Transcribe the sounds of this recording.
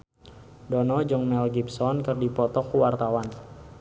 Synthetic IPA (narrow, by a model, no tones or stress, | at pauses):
dɔnɔd͡ʒɔŋmɛlɡipsɔnkərdipɔt̪ɔkuwart̪awan